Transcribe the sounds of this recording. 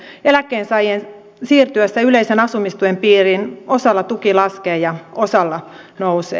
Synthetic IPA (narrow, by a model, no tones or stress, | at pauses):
elækːˑeːnsɑjen | siːrt̪yæsːæyleisenɑsumist̪uempiːrinosɑlːɑt̪ukilɑskeːjɑosɑlːɑ | nousḛː